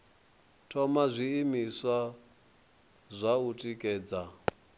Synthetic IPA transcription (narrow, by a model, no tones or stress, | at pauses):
tʰɔmazʷiimiswa | zʷautʼikʼɛːd͡za